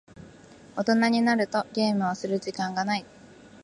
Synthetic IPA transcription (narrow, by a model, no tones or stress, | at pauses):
o̞t̪o̞naɲ̟inaɾɯ̟t̪o̞ɡʲe̞ːmɯ̟βosɨɾɯ̟ʑikãŋɡanai